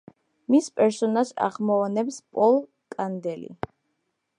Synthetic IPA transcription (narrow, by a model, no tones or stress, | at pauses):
mispʼɛɾsɔnaʃa̰ʁmɔɔnɛpspʼɔlˠ | kʼand̪ɛlḭ